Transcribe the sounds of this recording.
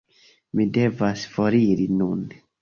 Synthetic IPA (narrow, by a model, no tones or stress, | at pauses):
mide̞vasfo̞ɾiɾinun